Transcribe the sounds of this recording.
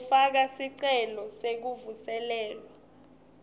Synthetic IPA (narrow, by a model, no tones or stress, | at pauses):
fak̬asiǀɛlɔsek̬uvusɛlɛːlwa